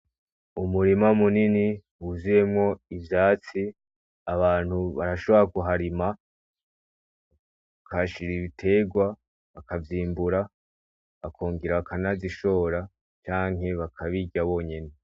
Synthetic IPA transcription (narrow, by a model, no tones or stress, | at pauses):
umuɾimamunini | uzuje̞mŋo̞ivjaːt͡si | aβaːn̥huβaɾaʃo̞βo̞ɾakuɦaɾima | akaʃiɾiβitʰe̞ːɡwa | βakavjiːmbuɾa | βakʰoːŋɡiɾaβakanaziʃo̞ːɾa | t͡ʃaːŋe̞βakʰaβiɟaβo̞ːɲene